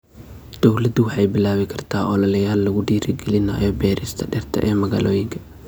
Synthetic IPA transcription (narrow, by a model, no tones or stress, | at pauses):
d̪̥ɔwlɐd̪ʊwɑħɑjbɪlaːβɪkʰɐrt̪ʰaːʔɔlɐlɐjaːlːɐɣʊɖiːɾʔɪɡɛlɪna̰ːjɔːbɛːɾɪst̪ʰɐɖɛrt̪ʰɐ̰ʔɛːmɐɣa̰ːlʔɔːjɪŋkʰɐ